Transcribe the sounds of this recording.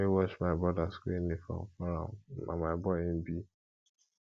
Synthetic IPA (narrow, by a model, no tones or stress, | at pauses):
ewɔʃmaɪbɔdaskenefɔ̰̃mfɔɾa̰a̰maɪbɔɪm̩bi